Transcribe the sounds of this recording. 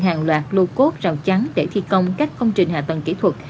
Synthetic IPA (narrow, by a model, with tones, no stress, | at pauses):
ɦaː˨˩ŋlwaː˨˩t̚lo˧ko˦˥t̚zaː˨˩wt͡ɕa˨˦ŋɗe˧˩t̪ʰi˧kə˧wŋ͡mkaː˦˥k̟̚kːə˧wŋ͡mt͡ɕï˨˩ŋ̟haː˨˩t̪ə˨˩nkḭ˧˩˥t̪ʰwə˨˩t̚